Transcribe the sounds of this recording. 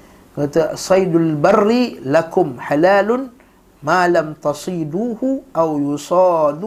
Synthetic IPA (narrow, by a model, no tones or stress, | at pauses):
ɡat̪asˤɑjd̪albɑrːilakʊmħalaːlʊn | maːlamt̪ɑsˤiːd̪uːhʊʔawjʊsˤɑːd̪